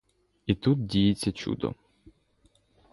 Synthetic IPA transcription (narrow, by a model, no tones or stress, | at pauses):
it̪ut̪̚dʲijet͡sʲːɐt͡ʃṵd̪ɔ̰